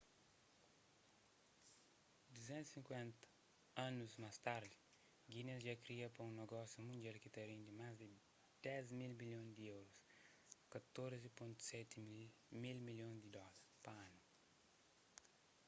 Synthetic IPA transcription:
d̪uzɛ̃nt̪u̥sĩŋkwɛ̃nt̪ɐ̥ | ãnuzmast̪aɾd̪i | ɡinesʒakɾiɐpɐũneɡɔsjumũnd͡ʒɛlkit̪ɐɾĩnd̪imazd̪ɪ | d̪̥ɛzmilmiljõd̪iɛwɾus | kɐt̪oɾzipõnt̪u̥sɛt̪ | milmiljõd̪id̪ɔlɐɾpɐãnu

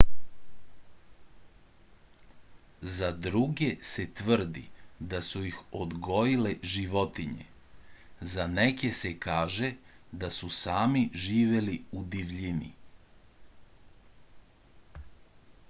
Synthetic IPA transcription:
zad̪ɾuɡe̞se̞t̪ʋr̩d̪ḭd̪asujixod̪ɡo̞jile̞ʒiʋo̞t̪iɲḛ | zanekese̞kaːʒe̞d̪asusaːmiʒiːʋe̞liud̪iʋʎinḭ

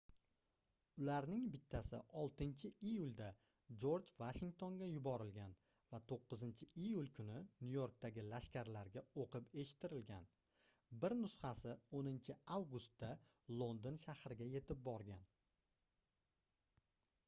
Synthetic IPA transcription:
ʊlaɾnɪŋbɪt̪ʰːasɪ̰ʔɒlˠt̪ɪnt͡ʃʰɪʔijʊlˠd̪a | d͡ʒo̞ɾd͡ʒvaʃɪŋk̚t̪ʰo̞nɡʲajʊbɒɾɪlɡʲan | vat̪ʰoqːɨzɪnt͡ʃʰɪijulkʰʊnɪnujoɾk̚t̪aɡʲɪlaʃkʲaɾlaɾɡʲaoqɨpe̞ʃɪ̥t̪ʰːɪɾɪlɡʲan | bɪɾnʊshɑsɪonɪnt͡ʃʰɪawɡʊst̪ːa | lˠo̞nd̪onʃahɾɪɡʲaje̞t̪ʰɪp̚bɒɾɡʲan

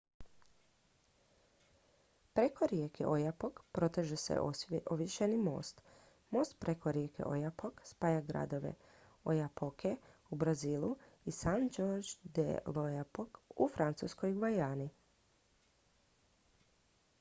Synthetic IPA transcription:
pɾe̞ko̞ɾjekʰḛʔojapokpɾo̞t̪eʒesḛoʋjeʃenimo̞̰ːst̪ | mo̞ːst̪̚pɾʔekoɾjekʰḛʔo̰japokspaːjaɡɾa̰d̪o̞ʋe̞̰ | o̰japokʰeubɾaziːlˠu | isand͡ʒoɾd͡ʒd̪ḛlojapokufɾant̪sṵːskojɡʋajaːni

